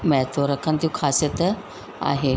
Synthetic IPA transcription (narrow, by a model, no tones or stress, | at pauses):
mɛ̃t̪ʰoɾɐkʰənɪt̪ʰijũkʰaːsijət̪ | a̰ːɦeː